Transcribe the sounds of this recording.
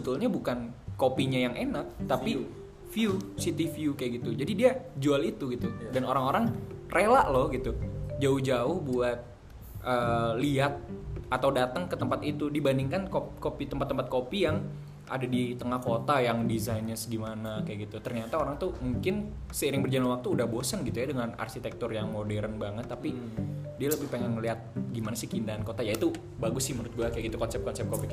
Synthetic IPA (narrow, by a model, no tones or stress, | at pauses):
bət̪ulɲabukankopiɲajaŋʔenak̚t̪api | fiusit̪ifiukajaʔɡit̪ud͡ʒadidiad͡ʒualit̪uɡit̪udanoɾaŋoɾaŋrʔelaʔlɔhɡit̪ud͡ʒaʊhd͡ʒaʊhbuat̪̚ | ʔəːliat̪̚at̪awdat̪əŋkət̪əmpat̪it̪udibandiŋkankokopit̪əmpat̪ːəmpat̪̚kopijaŋ | ʔa̰dadit̪əŋahkot̪ajaŋdizainasɡimanakajaɡit̪ut̪ərɲat̪aoɾaŋt̪umuŋkɪn | səiɾɪŋbərd͡ʒalanwak̚t̪uːdahbosənɡit̪ujadəŋana̰rkit̪ɛk̚t̪ʊrjaŋmodɛɾənbaŋət̪ːapidialəbɪhpeŋɛnliat̪̚ɡimanasɪkindaːnkot̪ajait̪u | baɡʊsɪməɾʊt̪̚ɡuakajaɡit̪ukɔnsɛp̚kɔnsɛp̚kopik